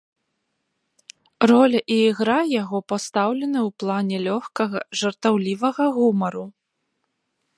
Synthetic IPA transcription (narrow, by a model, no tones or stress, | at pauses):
rɔlʲɐʔiːɣɾajaɣɔpast̪awlʲɛnɨwplˠanʲɛlʲɔxkɐɣɐ̰ʐɐrt̪awlʲivɐɣɐɣumɐɾu